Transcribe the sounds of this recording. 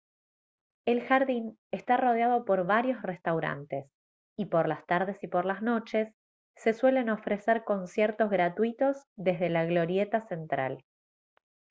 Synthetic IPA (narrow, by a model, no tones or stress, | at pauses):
e̞lxaɾðin | est̪aro̞ð̞jað̞o̞po̞ɾβaɾjo̞sre̞st̪awɾa̰nt̪es | ipo̞ɾlast̪aɾð̞e̞sipo̞ɾlazno̞t͡ʃe̞sː | e̞swe̞le̞no̞fɾeseɾko̞nsjeɾt̪o̞zɣɾat̪wit̪o̞zðe̞zðe̞laɣlo̞ɾjet̪ase̞nt̪ɾa̰l